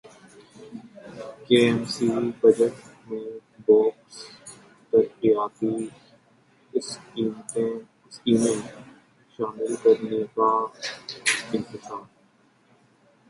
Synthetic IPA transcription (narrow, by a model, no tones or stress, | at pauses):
keːɛmsiːbɐd͡ʒəʈ | mẽbɔːks | t̪ɐɾqijaːt̪i | siːm | skiːmẽ | ʃaːmɪlkɐɾneka | ɪ̃nt̪ɪsaːɾ